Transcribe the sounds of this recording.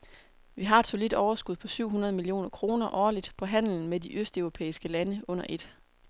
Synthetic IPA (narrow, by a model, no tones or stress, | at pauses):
ʋiɦɑ̈e̝d̥so̝lid̥ɒʊɐsɡ̥uðˠpʰɒ̽syʊ̰ɦunɐðˠmilio̝̰ːnɐkʰʁo̝ːnɐʔɒːlid̥pʰɒ̽ɦæn̰l̩n̩mediʔøsd̥øʊʁo̝pʰḛːisɡ̥əlænəɔ̽n̰ɐʔe̝d̥